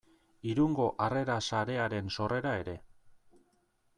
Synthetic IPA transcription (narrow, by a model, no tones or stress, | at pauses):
iɾuŋɡo̞ʔare̞ɾasaɾe̞aɾe̞nso̞re̞ɾae̞ɾe̞